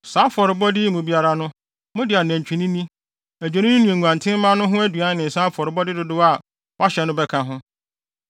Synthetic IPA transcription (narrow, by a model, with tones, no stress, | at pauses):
saː˦fɔ˨ɾɪ˨bɔ˦dɪ˦mũ˨bi˦a˦ɾa˨nʊ̃˦ | mʊ̃˦dɪ˨a˨næ̃˨ɲ˨t͡ɕᶣʰĩ˨nĩ˦nĩ˦ | æ˨d͡ʑᶣo˨nĩ˦ñ˦nũ˨ẽ˨ŋʷ˨ã˨ntʰɪ̃˦m˦mã˦nʊ̃˦ɦʊ̃˦æ˦du˨a˦nɪ̃˨n˨sãː˦fɔ˨ɾɪ˨bɔ˦dɪ˦dʊ˦dʊ˦a˨ | wa˦ɕɛ˨nʊ̃˦bɛ˦kʰã˨ɦʊ̃˦